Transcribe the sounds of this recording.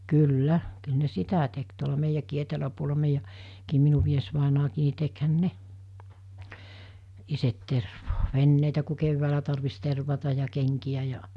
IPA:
kylːæ kyl ne sitæ tek tuolɑ meijækiː etelæpuolɑ meijæ kiːm minu miesʋɑˑenɑːkiː ni tekhæn ne iset terʋoː ʋenːeiˑtæ ku key̆wæːlæ tɑrʋis terʋɑtɑ jɑ keŋkij̆æ jɑ

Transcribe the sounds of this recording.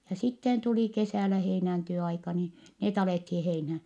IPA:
jɑ sitːen tuli kesæˑlæ heinænteo ɑikɑ niː net ɑleˑthiː heinhæ

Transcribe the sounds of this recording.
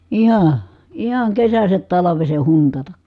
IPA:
ihɑ ihɑŋ kesæsæt tɑlɑʋeseh huntɑtɑk

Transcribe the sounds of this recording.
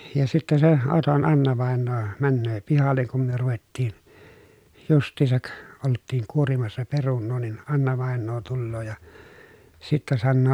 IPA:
jɑ sitːe se oton ɑnːɑʋɑˑenːoː mænːøː pihɑlːeŋ kum myø ruʋetːiːn justˑiːsɑk oltːiːŋ kuorimɑsːɑ perunːoː nin ɑnːɑʋɑˑenːoː tulːoː jɑ sitːæ sɑnːoː

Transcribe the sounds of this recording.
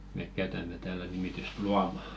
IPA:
meˑk kæytæmˑe tæːlæ nimityst luɑmɑ

